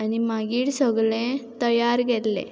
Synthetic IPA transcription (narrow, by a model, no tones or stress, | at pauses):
animaɡiːɽsɔɡlẽt̪əjaɾɡellḛ